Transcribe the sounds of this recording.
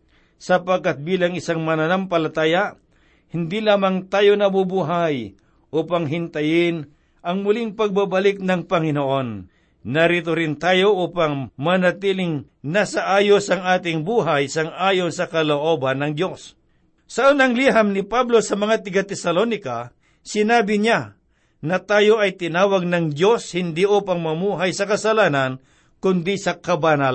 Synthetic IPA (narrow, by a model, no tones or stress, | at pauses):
sɐpɐɡ̚kːat̪̚biːlaŋɪsaŋmɐnɐnampɐlɐt̪aːja | hɪnd̪ilaːmaŋt̪aːjonɐbubuːɦaj | ʔuːpɐŋɦɪnt̪ɐjɪn | ʔɐŋmʊlɪŋpɐɡ̚babɐlɪk̚nɐŋpɐŋɪnoʔo̞nː | ɐɾiːt̪oɾɪnt̪aːjo̞ʔuːpaŋmɐnɐt̪iːlɪŋ | nasɐʔaːjo̞sɐŋaːt̪̬ɪŋbuːɦajsɐŋʔaːjo̞nsɐkɐloʔoːbɐnːɐŋd̪jo̞s | sɐʔonɐŋliɦɐmnɪpablo̞sɐmɐŋat̪ɐɡat̪ɛsɐlonɪka | sɪnaːbɪɲa | nɐt̪aːjo̞ʔɐjt̪ɪnaːwɐɡ̚nɐŋd̪jo̞shɪnd̪iʔuːpɐŋmɐmuːɦajsɐkɐsɐlaːnɐn | kʊnd̪isɐkɐbanal